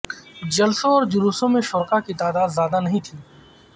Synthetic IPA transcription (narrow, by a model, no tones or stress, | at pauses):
d͡ʒɐlsõɔːɾd͡ʒʊɾuːsõmẽʃʊɾkakit̪aːd̪aːd̪zjaːd̪anɐɦĩt̪ʰiː